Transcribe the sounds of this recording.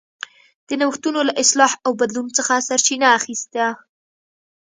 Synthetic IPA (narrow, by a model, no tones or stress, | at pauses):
d̪̥ənawxt̪unolaʔɪslɑhawbad̪lunt͡səxasaɾt͡ʃinaːxist̪a